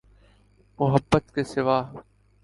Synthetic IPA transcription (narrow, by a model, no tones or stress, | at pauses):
mʊɦəbːət̪kesɪʋaːɦ